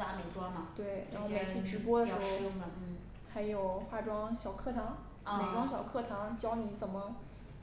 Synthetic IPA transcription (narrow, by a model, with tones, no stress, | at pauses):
a˧˥me˨˩ɪʈ͡ʂwɑ˥ŋmɐ˨˩t̪we˥˩ɪɻa˧˥xxme˨˩ɪt͡sʰi˥˩ʈ͡ʂɻ̩˧˥p̬wɔ˥d̪ə˨ʂɻ̩˧˥xo˥˧ʊ˥˨˥ | xa˧˥ɪjo˨˩ʊxa˥˩ʈ͡ʂwɑ˥ŋɕjɑ˨˩ʊkʰɤ˥˩t̪ʰɑ˧˥ŋ | a˨˩ʈ͡ʂwɑ˥ŋɕjɑ˨˩ʊkʰɤ˥˩t̪ʰɑ˧˥ŋt͡ɕjɑ˥ʊni˧˥t͡sə˨˩nmə˦